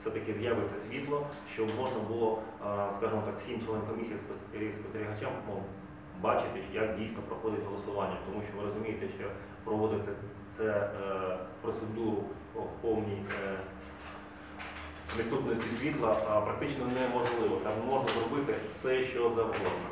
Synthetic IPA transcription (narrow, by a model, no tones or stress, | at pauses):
fsɛt̪ɐkɪzjɑʋɪsʲɐsʲʋʲit̪lˠɔʃt͡ʃɔmɔʐnɐbʊlˠɔskɑʒɪmɔt̪ɑkw̥sʲimt͡ʃlˠɛnɛmkɔmʲisʲijispɔ | ɾʲispɔ̥st̪eɾʲiɦɐt͡ʃam | bɑt͡ʃɪt̪ɪjɐkdʲijsʲnɔpɾɔxɔd̪ɪtʲɦɔlˠɔsʊʋɑnʲːɐt̪ɔmuʃt͡ʃɔʋɪɾɔzʊmʲijet̪ɛʃt͡ʃɔ | pɾɔʋɔd̪ɪt̪ɪ | t̪sɛ | pɾɔt̪sed̪uɾʊ | wpɔwnʲij | ʋʲit̪sut̪nɔsʲtʲisʲʋʲit̪lˠɐpɾɐk̚t̪ɪt͡ʃnɔnɛmɔʒlˠɪʋɔt̪ɑmmɔʐnɐzɾɔbɪt̪ɪfsɛʃt͡ʃɔzɐɦɔd̪nɔ